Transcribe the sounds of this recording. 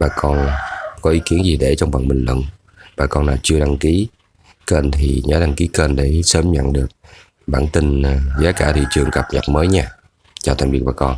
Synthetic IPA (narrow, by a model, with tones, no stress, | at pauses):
ɓaː˨˩kɔ˧nkɔ˨˦ʔi˨˦ki˨˦ənzi˨˩ɗe˧˩t͡ɕɔ˧wŋ͡mɓə̰˧˨nɓï˨˩ŋ̟lwə̰˧˨n | ɓaː˨˩kɔ˧naː˨˩wt͡ɕɨ˧əɗa˧ŋki˨˦ | kəː˧nt̪ʰi˨˩ɲəː˨˦ɗa˧ŋki˨˦kəː˧nɗe˧˩səː˧˦mɲə̰˧˨nɗɨ˨˩ək̚ | ɓaː˧˩nt̪ï˧˩ŋzaː˨˦kaː˧˩t̪ʰḭ˧˩t͡ɕɨ˨˩əŋkə˨˩p̚ɲə̰˨˩t̚məː˨˦jɲaː˧ | t͡ɕɔ˧t̪ʰa̰˨˩mvi˨˩ək̚ɓaː˨˩kɔ˧n